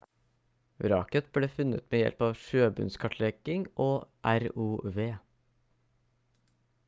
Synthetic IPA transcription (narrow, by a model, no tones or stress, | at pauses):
ɾɑ̰ːkət̪̚bleːfʉnə̰t̪meːjɛ̰lpɑːʋʃøːbʉ̰nskʰɑʈʰlɛɡ̥ɪŋʔoːʔæɾuːʋeː